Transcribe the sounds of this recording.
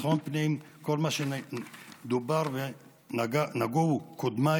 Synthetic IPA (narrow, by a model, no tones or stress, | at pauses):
χonpniim | kolmaʃen | d̪ubaʁve | naɡanaɡoukod̪ma